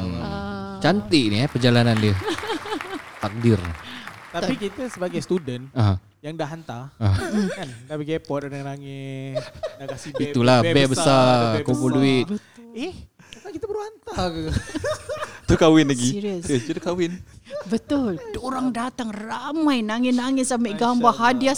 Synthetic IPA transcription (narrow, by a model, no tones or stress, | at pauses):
t͡ʃant̪inijapərd͡ʒalanandiə | fak̚dɪrt̪apikit̪asəbaɡajsət̪udənəɦə̃ | jaŋdaɦant̪aəɦandapiɡepɔt̪̚dəŋanaŋɛ | dakasiit̪ulahbɛbəsakompulduɪt̪ | ɛh | akit̪abəɾuhant̪a | t̪ukawɪnaɡiiɾiəsd͡ʒutukawɪnbət̪ʊldoɾaŋdat̪aŋramajnaŋɛnaŋɛsamɛɡambaɦadia